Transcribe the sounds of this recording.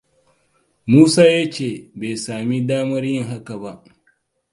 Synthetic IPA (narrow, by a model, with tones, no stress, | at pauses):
muː˦saː˦ja˦t͡ʃeː˦˨beː˨saː˨mi˦daː˦mɐ˦ɾjɪ˦ŋɦa˦ka˨ba˦ʔ